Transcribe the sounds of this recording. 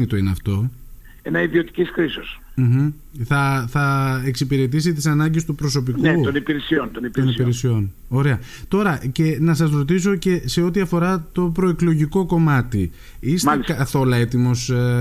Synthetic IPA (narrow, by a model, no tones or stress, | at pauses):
it̪o̞ineɐft̪o̞ | enɐiðio̞t̪i̥cisxɾisosm̩ç̩ | θɐθɐeksipiɾe̞t̪̬is̬it̪isɐnɐɲɟest̪upɾo̞so̞p̬ikkett̪onipiɾesiont̪onipt̪onipiɾɾesio̞n | o̞ɾe̞ɐ | t̪o̞ɾɐce̞nɐsɐsɾo̞t̪̬is̬o̞ce̞se̞o̞t̪iɐfo̞ɾɐt̪o̞pɾoeklo̞ʝiko̞ko̞mɐt̪i | isskɐθo̞lɐe̞t̪imo̞s